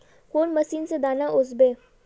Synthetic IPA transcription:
koːnmɐsiːnsed̪aːnaʔʊzbeː

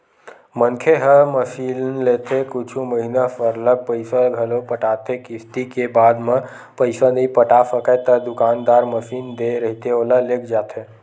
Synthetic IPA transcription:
mənkʰeɦəməsilnlet̪ekut͡ʃʰuməɦinafəɾlək̚pəɪsəɡʱəlopəʈat̪ekist̪ikebad̪me | pəjsanəipəʈasəkət̪əd̪ukand̪aɾməsind̪eɾəɦit̪eoləlekʰd͡ʒat̪ʰe

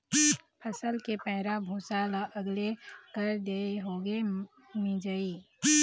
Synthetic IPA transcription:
pʰəsəlkepɛɦɾabʱoːsaːlaʔəɡlekəɾd̪eːeɦoːɡe | mĩd͡ʒəiː

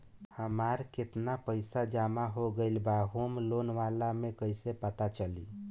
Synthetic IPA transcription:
həmaɾket̪napəjsad͡ʒamaɦoɡəjlbaɦomlonʋalamekəjsepət̪at͡ʃəlḭ

